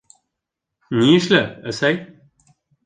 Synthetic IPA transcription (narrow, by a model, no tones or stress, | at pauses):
nʲiɘʃlɘɘsæj